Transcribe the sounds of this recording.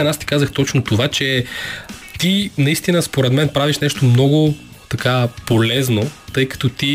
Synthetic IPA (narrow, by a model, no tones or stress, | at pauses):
ɛnast̪i̥kazəxt̪ɔt͡ʃnot̪ovat͡ʃɛ | t̪inɐist̪inəspoɾɛd̪mɛnpɾaviʃnɛʃt̪omnɔɡʊ | t̪ɐkapolɛznot̪ɤjkɐ̥t̪ɔt̪i